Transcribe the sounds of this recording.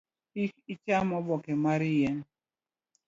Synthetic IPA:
ikit͡ʃamɔbɔkɛmaɾijɛn

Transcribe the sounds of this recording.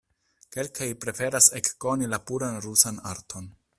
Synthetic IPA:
ke̞lkʰajpɾe̞fe̞ɾase̞kːo̞nilapuɾanɾusana̰ɾtʰo̞n

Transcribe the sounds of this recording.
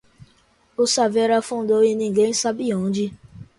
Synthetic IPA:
osavɛɾafũdojĩnĩŋ̩ɡen̩isabiõd͡ʒi

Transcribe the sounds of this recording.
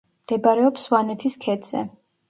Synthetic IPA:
md̪̥ɛbaɾɛɔpswanɛt̪ʰiskʰɛd̪z̥ɛ̰

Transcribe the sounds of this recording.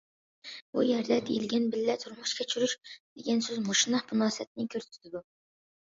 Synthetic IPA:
bṵjɛɾd̪ɛd̪eilɡʲɛnbɪlːɛt̪ʰuɾmuʃkʲɛt͡ʃʰyɾyʃd̪̥eɡʲɛnsøzmuʃnɑχbunɑːsɛt̪̚nɪkʲʰøɾt̪ʰɪt̪ʰɪd̪u

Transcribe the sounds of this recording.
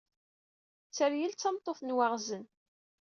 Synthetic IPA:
t͡sːəɾjəlt͡sːɑmt̪ˤːoθnwaʁzən

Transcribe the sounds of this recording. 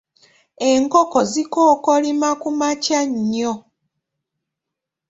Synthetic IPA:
e̞ŋkokozikoːkolimakumacaɲːo

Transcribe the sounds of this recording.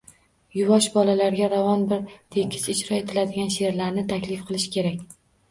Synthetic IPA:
jʊvɒʃbɒlalaɾɡʲaɾavɒnbɪɾt̪ʰe̞kʲʰɪ̥sɪt͡ʃɾɒe̞t̪ʰɪlad̪ɪɡʲanʃe̞ɾlaɾnɪt̪ʰakʲlɪfqʰɨlˠɪʃɪ̥kʲʰe̞ɾakʲ

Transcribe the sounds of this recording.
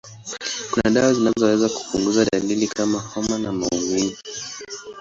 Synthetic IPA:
kunaɗawazinazɔwɛzaku̥puŋɡuzaɗalilikʰamahɔmanamaumivi

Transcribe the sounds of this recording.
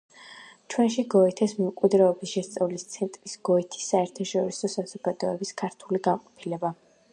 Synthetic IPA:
t͡ʃʰwɛnʃiɡɔɛt̪ʰɛsmɛmkʼid̪ɾɛɔbisʃɛst̪sʼavlist̪sʰɛnt̪ʼɾisɡ̥ɔit̪ʰi̥sːaɛɾt̪ʰaʃɔɾisɔsaz̥ɔɡad̪̥ɔɛbiskʰaɾt̪ʰuliɡamqʼɔ̥pʰilɛba

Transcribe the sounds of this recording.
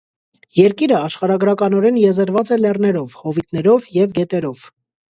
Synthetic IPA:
jɛɾkiɾəɑʃχɑɾɑɡɾɑkɑnɔɾɛnjɛzəɾvɑt͡sɛlɛrnɛɾɔvhɔvit̪nɛɾɔvjɛvɡɛt̪ɛɾɔv̥

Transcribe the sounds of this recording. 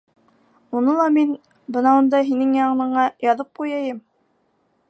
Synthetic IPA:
unɤlˠɑmin | bɤ̆nɑund̪ɑɦinɘŋjɑɴɤ̆nɤ̆ɴɑjɑðɤp̚qujɑjɤm

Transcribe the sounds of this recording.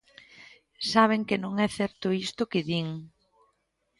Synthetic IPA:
saβ̞eŋkɪnõŋɛθɛɾt̪ʊist̪ʊkɪðiŋ

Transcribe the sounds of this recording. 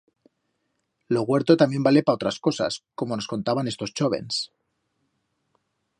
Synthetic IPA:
loɣwe̞ɾt̪o̞t̪amje̞mbale̞pao̞t̪ɾasko̞sa̰sko̞monosko̞nt̪aβane̞st̪o̞st͡ʃoβe̞̰ns

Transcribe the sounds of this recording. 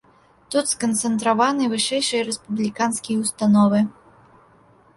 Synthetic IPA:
t̪ut̪skɐnt̪sɛnt̪ɾavanɨvɨʂɛjʂɨjɐɾɛspublʲikanskʲijɐwst̪anɔvɨ

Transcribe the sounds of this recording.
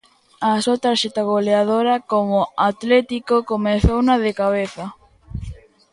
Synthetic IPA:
asot̪aɾʃet̪aɣoleaðoɾɐkomʊat̪lɛt̪ikokomeθownaðekaβ̞eθɐ

